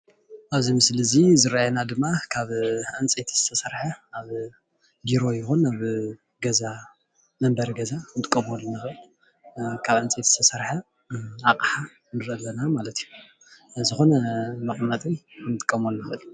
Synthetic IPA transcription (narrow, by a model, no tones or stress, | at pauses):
ʔaβzimɨslɨzizɨɾajenad̪ɨmːakʰaβʕɨnt͡sʼet̪ʰiz̥ɨt̪ʰɐsɐɾħaaβ | biɾo̞jɪxonaβ | ɡɐza | mɐmbɐɾɡɐzant̪ʼɨkʼːɐmolnɨxɨɨl | kʰaβʕɨnt͡sʼet̪izɨt̪ʰɐsɐɾħa | aqʼħa | nɨɾʔɐlːɐnamalɐt̪ju | zɨxo̞nɐmɐkʼmat̪ʼij | kʰɨnt̪ʼɨ̥kʼːɐmolnːɨxɨɨl